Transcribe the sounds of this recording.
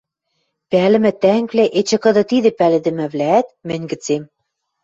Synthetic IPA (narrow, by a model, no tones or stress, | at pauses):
pælɘ̆mɘ̆t̪æŋkvlæʔet͡ɕɘ̆kɤ̆d̪ɤ̆t̪id̪ɘ̆pælɘ̆d̪ɘ̆mɘ̆βlæːt̪̚mɘ̆nʲɡɘ̆t͡sem